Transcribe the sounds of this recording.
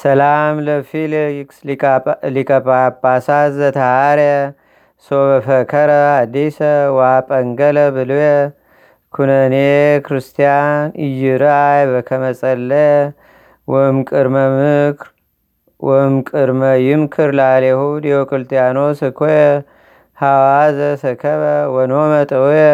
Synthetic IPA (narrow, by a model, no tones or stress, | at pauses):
səlamləfil | likʰʼəpʼabasazət̪ʰəhaɾɛ | sobəfəkʰəɾəad̪ːisəwapʼəŋɡələbɨluje | kʰunənekʰɾɨst̪ʰijanɨjːɪɾajbəkʰəməsʼəlːəj | wɔmkʼɨɾməmɨkʰɾ | wʔɔmkʼɨɾməjɪmkʰɨɾlalehud̪ijokʼɨlt̪ʼijanosɨkʰoje | hawazəsɨkʰəβəwɔnomət̪ʼəwjɛ